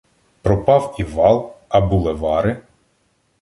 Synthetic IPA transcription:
pɾɔpɑwiʋɑlˠɐbulˠeʋɑɾɪ

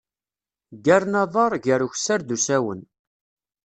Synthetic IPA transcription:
ɡæɾnɑðˤɑɾˤʝəɾuçsaɾd̪usæwə̰n

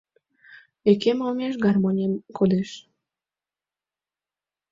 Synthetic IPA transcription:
ekemomʲeʃ̬ɡɑrmonʲemkʰod̪eʃ

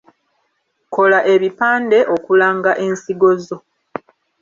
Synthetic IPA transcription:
ko̞laʔe̞βipaːnde̞ʔo̞kulaːŋɡaʔe̞nsiɡo̞zo̞

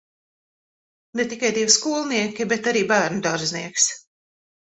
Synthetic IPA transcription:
net̪ikajd̪ivskuːlˠniɛkʲibɛt̪aɾiːbæːɾnud̪aɾzniɛks

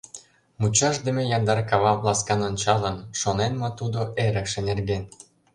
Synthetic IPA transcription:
mut͡ɕɑʃd̪ĕmĕjɑnd̪ɑrkɑβɑvlˠɑskɑnonʲt͡ɕɑlənʃonenmɑt̪ud̪oʔeɾə̆kʃĕnerɡen

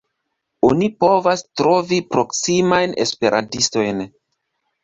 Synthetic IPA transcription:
onipo̞vastɾo̞vipɾo̞ksimajne̞̰spe̞ɾʔa̰ntisto̞jn

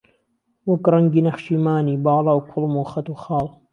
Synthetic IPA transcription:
wʊkɾˤɑŋɡinɐxʃimaːniːbɑːlˤɑwkʰʊlmuxat̪uxɑːl

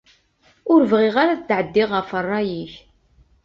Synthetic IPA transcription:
ʊɾvʁiʁaɾaðət͡s̪ːʕəd̪ːiʁəfərˤːɑjiç

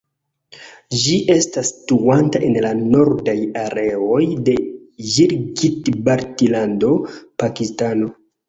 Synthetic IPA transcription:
d͡ʒiʔe̞stastuantaʔe̞nlano̞ɾdajaɾeo̞jde̞ | ʒiɾɡitbaɾtilando̞pakistano̞

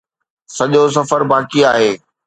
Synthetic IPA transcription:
sɐʄos̬ɐfəɾbaːkiaːɦeː

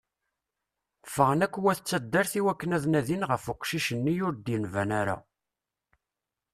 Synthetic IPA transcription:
fəʁnækʷːwæθət͡sːæd̪ːæɾθiwækːənæðnæðinʁəfʊqʃiʃənːijʊɾd̪jənvænæɾa̰

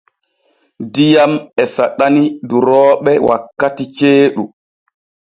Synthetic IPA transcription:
dijamɛsaɗaniduɾɔːɓɛwa̰kːatit͡ʃeːɗu

